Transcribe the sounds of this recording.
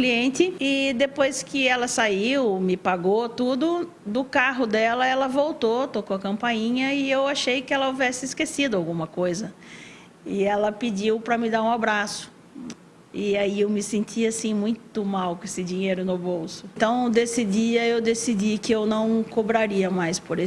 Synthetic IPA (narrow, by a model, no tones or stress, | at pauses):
kliẽntɪɪd̪epojskɪɛlɐsaiwmɪpaɡot̪ud̪ʊ | d̪ʊkaɦʊd̪ɛlɐɛlɐvowt̪ot̪okoɐkɐ̃mpɐjĩɲɐɪewaʃejkɪɛlɐovɛsɪːskesid̪ʊawɡũmɐkojzɐ | ɪɛlɐpɪd͡ʒiwpɾɐmɪd̪aɾũabɾasʊ̥ | ɪaiewmɪsẽnt͡ʃʰiasĩmũj̃t̪ʊmawkõesɪd͡ʒĩɲejɾʊnʊbowsʊt̪ɐ̃w̃d̪esid͡ʒiɐewd̪esid͡ʒikɪewnɐ̃w̃kobɾaɾiɐmajspoɾe